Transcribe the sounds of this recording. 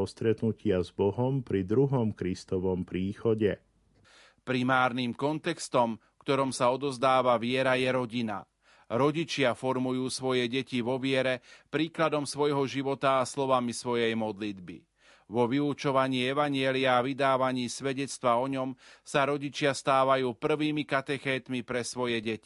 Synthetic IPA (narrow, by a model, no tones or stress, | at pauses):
ɔst̪ɾɛt̪nucɪazbɔɦɔmpɾid̪ɾuɦɔmkɾist̪ɔʋɔmpɾiːxɔɟɛ | pɾimaːɾniːmkɔnt̪ɛkst̪ɔmfkt̪ɔɾɔmsaɔd̪ɔzd̪aːʋaʋɪɛɾajɛɾɔɟina̰ | ɾɔɟit͡ʃɪafɔɾmujuːsʋɔjɛɟɛciʋɔʋɪɛɾɛpɾiːklad̪ɔmsʋɔjɦɔʒiʋɔt̪aːslɔʋamisʋɔjɛjmɔd̪lid̪bḭ | ʋɔʋiut͡ʃɔʋaɲiːɛʋaɲɪɛliaːʋid̪aːʋaɲiːsʋɛɟɛt͡st̪ʋaɔɲɔmsaɾɔɟit͡ʃɪast̪aːʋajuːpr̩ʋiːmikat̪ɛxɛːt̪mipɾɛsʋɔjɛɟɛci̥